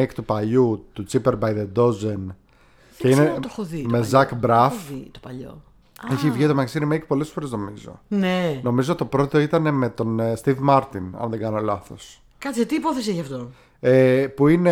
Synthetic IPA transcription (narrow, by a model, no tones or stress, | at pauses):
ekt̪upɐʎut̪ut͡sipeɾbɐjðed̪o̞zen | ceinet̪oxoðimezɐkbɾɐft̪opɐʎo̰ | eçivʝit̪omɐksiɾimejkpo̞le̞sfo̞ɾezno̞mizo̞̰neno̞mizot̪ːopɾo̞t̪o̞it̪ɐne̞me̞t̪o̞nst̪ivmɐɾt̪inɐ̰nðeɡɐno̞lɐθo̞̰s | kɐt̪t͡siɐt̪iːpoθesieçiɐft̪o | epuine